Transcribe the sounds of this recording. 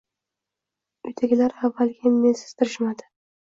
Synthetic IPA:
ʊjt̪ʰaɡʲɪlaɾavːalɡʲannesɪ̥z̥t̪ʰɪɾɪʃmad̪ɪ

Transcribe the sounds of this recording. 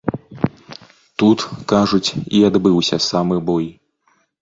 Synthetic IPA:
t̪ut̪kaʐut͡sʲiad̪bɨwsʲɐsamɨbɔj

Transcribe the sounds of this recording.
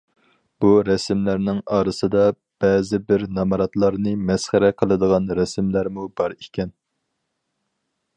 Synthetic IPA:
b̥uɾɛsmlæɾnɪŋɑːɾɨsɨd̪ɑ | b̥ɛːzɪbɪɾnɑmɑɾɑt̪lˠɑɾnɨmɛsχæɾɛqʰəlˠɨd̪əʁɑnɾɛsmlæɾmubɑɾikʲɛn

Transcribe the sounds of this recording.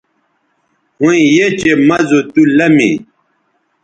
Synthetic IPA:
hũĩjet͡ɕemɐzot̪ulɐmḭ̃

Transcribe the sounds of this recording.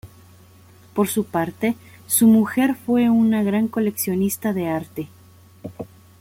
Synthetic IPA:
po̞ɾsupaɾt̪e̞ | sumuxe̞ɾfwe̞unaɣɾaŋko̞le̞ksjo̞nist̪aðe̞aɾt̪e̞

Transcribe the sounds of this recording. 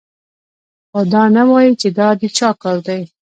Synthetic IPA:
xad̪ɑnawɑjit͡ʃed̪ɑd̪it͡ʃɑkəɾd̪aj

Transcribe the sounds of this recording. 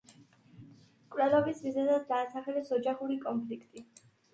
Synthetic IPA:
kʼvlɛlˠɔbismizɛd̪ad̪̚d̪aːsaχɛlɛsɔd͡ʒaχuɾikʼɔmpʰlikʰt̪ʼi

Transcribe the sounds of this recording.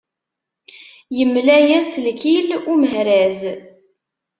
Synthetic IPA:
jəmːlæjæslkiluməɦɾæz

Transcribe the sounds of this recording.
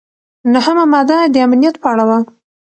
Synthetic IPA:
nahəmamɑd̪ad̪əamnijat̪pəaɽawa

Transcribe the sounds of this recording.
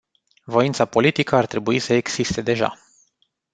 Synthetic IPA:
vo̞int̪sapo̞lit̪ikəart̪ɾe̞buisəeɡsist̪e̞d̪e̞ʒa̰

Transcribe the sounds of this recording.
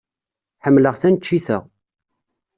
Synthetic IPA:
ħəmːləʁθænt͡ʃːiθə̰ʁ

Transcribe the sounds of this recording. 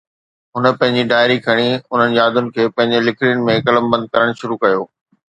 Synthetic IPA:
ɦʊnə̆pɐ̃ɦɪ̃ɲd͡ʑiɖaːɪɾikʰɐɽ̃iʊn̤ənɪ̆d͡ʑaːd̪ʊnɪ̆kʰeːpɐ̃ɦɪ̃ɲd͡ʑelɪkʰɪɾɪjʊnɪ̆mẽkɐləmbɐ̃nd̪̚kɐɾəɽ̃ʃʊɾukɐjoː

